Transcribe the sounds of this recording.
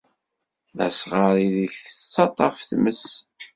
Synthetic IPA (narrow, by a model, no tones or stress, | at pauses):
æ̰sʁɑɾiðəçθət͡sːɑt̪ˤɑfθməs